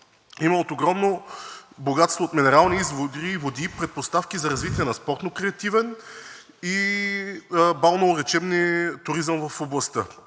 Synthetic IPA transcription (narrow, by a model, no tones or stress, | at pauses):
iməot̪oɡɾɔmnoboɡat̪st̪voːt̪minɛɾalˠniizvod̪ɾivod̪ipɾɛt̪̚post̪afkizɐɾɐzvit̪iɛnɐspɔɾt̪nokɾɛɐt̪ivɛn | i | balˠnoɾɛt͡ʃɛbnit̪ʊɾizəmvɐfoblˠɐst̪ɤ